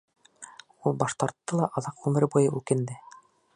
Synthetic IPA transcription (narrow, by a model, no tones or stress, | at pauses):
ulˠbɑʃt̪ɑɾt̪ːɤlˠɑʔɑðɑqʁʉmɘ̆ɾɘbujɤʔʉkɘ̆nd̪ɘ